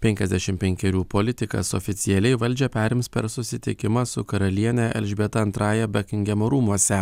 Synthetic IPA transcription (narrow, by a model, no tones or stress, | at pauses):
pʲɛŋʲkʲɛzʲd̪ʲæʃʲɪmpʲɛŋʲkʲɛɾʲuːpoːlʲɪt̪ʲɪkɐ̰so̰fʲɪt̪sʲɪɛlʲɛɪʋɐlʲd͡ʒʲɛpʲæːɾʲɪmspʲɛ̰ɾsʊsʲɪt̪ʲɪkʲɪmɑsʊkɐɾɐlʲiɛnʲɛʔɛ̰lʲʒʲbʲeːt̪ɐɐnt̪ɾɑːjɛbʲɛkʲɪŋʲɡʲɛmoɾuːmuɔsʲɛ